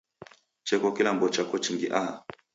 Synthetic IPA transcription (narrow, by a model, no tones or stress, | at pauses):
t͡ʃɛkɔkilambɔt͡ʃakɔt͡ʃiŋɡiʔa